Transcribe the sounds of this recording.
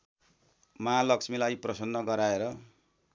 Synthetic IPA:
malʌksmilajprʌsʌnːʌɡʌɾaeɾʌ

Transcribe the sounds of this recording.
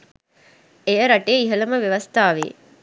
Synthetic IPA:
ejəɾɐʈeːiɦəlɐməʋeʋɐst̪aːʋḛː

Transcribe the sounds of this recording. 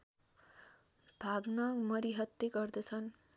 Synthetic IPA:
b̥ʱaɡnʌmʌɾiɦʌt̪ːeɡʌrd̪ʌt͡sʰʌn

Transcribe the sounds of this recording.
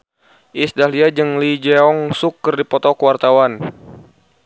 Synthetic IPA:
ʔisdaliad͡ʒəŋlid͡ʒɛɔŋsukːərdipɔt̪ɔkwart̪awan

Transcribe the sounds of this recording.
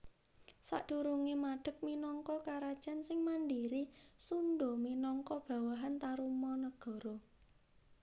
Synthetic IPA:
sa̰ɖ̪̥uɾuŋemaɖ̥ə̤k̚minɔŋkɔkaɾad̥ʒ̥ansɪŋmanɖiɾisunɖominɔŋkɔb̥ä̤waɦant̪aɾumɔnəɡ̥ɔ̤ɾɔ

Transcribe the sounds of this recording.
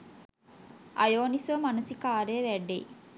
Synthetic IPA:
a̰joːnisʋəmanusikaːɾəjəʋæɖḛj

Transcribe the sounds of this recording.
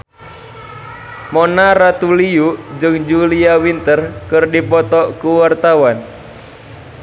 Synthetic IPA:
mɔnaɾat̪uliud͡ʒɨŋd͡ʒuliawint̪ərkɨrdipɔt̪ɔkuwart̪awan

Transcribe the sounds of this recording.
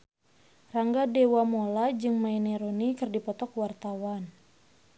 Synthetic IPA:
raŋɡadewamolad͡ʒɨŋmaineɾonikɨrdipɔt̪ɔkwart̪awan

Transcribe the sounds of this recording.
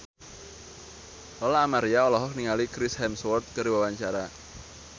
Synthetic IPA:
ɔlaːmaɾiaɔlɔɦɔk̚niŋalikɾɪshɛmswɔrt̪̚kəɾiwawaɲt͡ʃaɾa

